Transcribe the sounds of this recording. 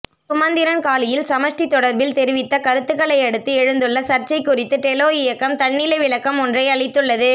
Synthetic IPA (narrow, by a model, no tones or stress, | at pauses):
sʊmɐnd̪ɪɾɐnkaːlɪjɪlsɐmɐʂʈit̪ːɔɽɐɾbɪlt̪ɛɾɪʋɪt̪ːɐkɐɾɯt̪ːɯkɐɭɐɪɐɽɯt̪ːɯɛɻɯnd̪ɯɭːɐsɐɾt͡ʃɐɪkːʊrɪt̪ːɯt̪ɛloːjɪjɐkːɐmt̪ɐɳːɪlɐʋɪɭɐkːɐmɔndrɐɪɐɭɐɪt̪ːɯɭːɐðɯ